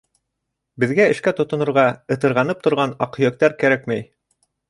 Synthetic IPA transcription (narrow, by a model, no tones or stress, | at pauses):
bɘ̆ðɡæɘ̆ʃkæt̪ŏt̪ŏnŏɾʁɑɤ̆t̪ɤ̆ɾʁɑnɤp̚t̪ŏɾʁɑnɑqhɵ̆jæk̚t̪æɾkæɾækmæj